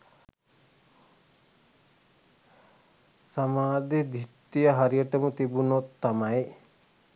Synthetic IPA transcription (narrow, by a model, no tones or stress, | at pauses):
samaːd̪id̪ʱit̪ːijəɦaɾijəʈəmut̪ibunot̪ːamaj